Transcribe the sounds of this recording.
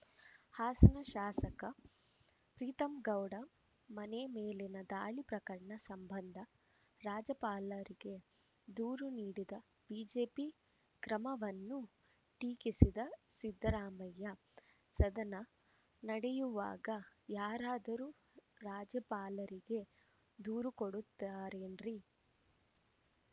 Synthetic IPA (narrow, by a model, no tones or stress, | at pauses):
haːsɐnɐʃaːsɐkɐ | pɾiːt̪ɐmɡɐwɽɐ | mɐnemeːlinɐd̪aːɭipɾɐkɐɾɐɳɐsɐmbɐnd̪ʱɐ | ɾaːd͡ʒɐpaːlɐɾiɡe | d̪uːɾuniːɽid̪ɐ | b̥iːd͡ʒe̞ːpi | kɾɐmɐʋɐnːu | ʈiːkisid̪ɐsid̪ʱːɐɾaːmɐjːɐ | sɐd̪ɐnɐ | nɐɽɛjuʋa̰ːɡɐjaːɾaːd̪ɐɾuː | ɾaːd͡ʒɐpaːlɐɾiɡe̞ | d̪uːɾukoɽut̪ːaːɾeːnɾi